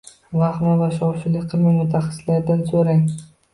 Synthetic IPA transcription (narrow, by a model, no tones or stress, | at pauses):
vaχmɒvaʃɒwʃɪlɪkʲqʰɨlˠmaŋmʊt̪ʰːaχḁsɪlaɾd̪ansoɾaŋ